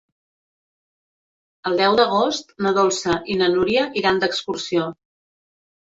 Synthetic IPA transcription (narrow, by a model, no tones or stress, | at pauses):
əlˠd̪ɛwd̪əɣ̞ost̪nəðolˠsəʔinənuɾiəʔiɾand̪əkskursio